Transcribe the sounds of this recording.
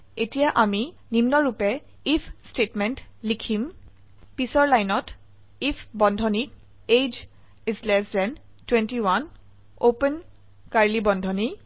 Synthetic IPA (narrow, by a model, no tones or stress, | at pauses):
etijaʔami | nimnɔɹupɛ | ipʰstetmɛntlikʰim | pisɔɹlajnɔt | ipʰbɔndʱɔni | ed͡ʒ | izlɛsdɛn | twɛntiwan | opən | kaɹlibɔndʱɔni